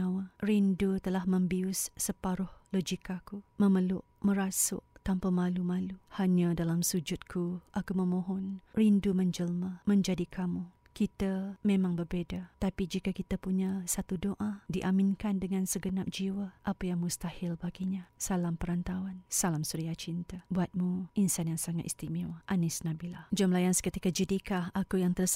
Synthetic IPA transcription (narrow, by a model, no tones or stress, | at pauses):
awarindut̪əlahməmbiʊsːəpaɾʊhlod͡ʒikakuməməlʊʔməɾasʊ̰ʔt̪ampamalumaluhaɲadalamsud͡ʒʊt̪̚kʰuʔakuməmoɦɔnrinduməɲd͡ʒəlmamə̃ɲd͡ʒadikʰamu | kit̪amemãŋbərbedat̪apid͡ʒikakit̪apuɲasat̪udoʔadiʔamɪnkandəŋãnsəɡənap̚d͡ʒiwaʔapajaŋmust̪ahilbaɡiɲasalampəɾant̪awansalamsuɾiaht͡ʃint̪abuat̪̚muʔinsanjaŋsaŋat̪ist̪imiwʔanɪsnabilahd͡ʒamlajanskət̪ikad͡ʒədikahakujaŋt̪ərs